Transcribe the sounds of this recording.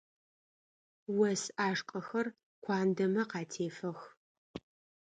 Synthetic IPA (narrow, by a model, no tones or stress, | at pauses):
wɐsaːʂqʼɐxɐr | kʷʰɑːndɐmɐqɑːtʰeːfɐx